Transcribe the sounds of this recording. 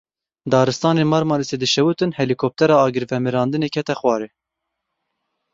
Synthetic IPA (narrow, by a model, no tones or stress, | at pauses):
d̪ɑːɾɨst̪ɑːneːmɑɾmɑːlised̪ɨʃɛwut̪ɨnhɛlikʰop̚t̪ʰɛɾɑːɑːɡɨɾvɛmɨɾɑːnd̪ɨneːkʰɛt̪ɛxwɑːɾeː